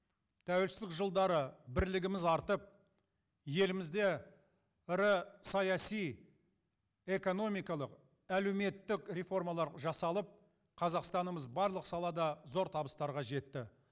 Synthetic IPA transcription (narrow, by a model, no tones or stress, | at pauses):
t̪ʰæwelsɪlɪkʒəlˠd̪ɑɾəbɪɾlɪɡʲɪmɪzɑɾt̪əp̚ | je̞lɪmɪzd̪e̞ | ɪɾəsɑjɑsij | e̞ko̞no̞mijkɑlˠəq | ælewme̞t̪ːɪkɾʲe̞fo̞rmɑlˠɑɾʒɑsɑlˠəp̚ | qʰɑzɑqst̪ɑnəməzbɑɾlˠəqsɑlˠɑd̪ɑzo̞ɾt̪ʰɑbəst̪ɑɾʁɑʒe̞t̪ːɪ